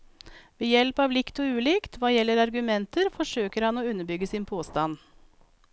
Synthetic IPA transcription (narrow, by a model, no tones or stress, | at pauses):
ʋeːjɛlpɑːʋlɪkt̪ɔʉːlɪkt̪ʰʋɑːjɛlːəɾɑɾɡʉmɛnt̪əɾfɔʂøːkəɾhɑnoːʉnːəɾbʏɡəsɪnpʰoːst̪ɑn